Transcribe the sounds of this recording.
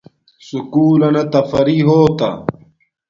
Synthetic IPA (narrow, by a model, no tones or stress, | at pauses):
sukuːlɐnɐt̪ɐfɐɾiɦoːt̪ɐ̰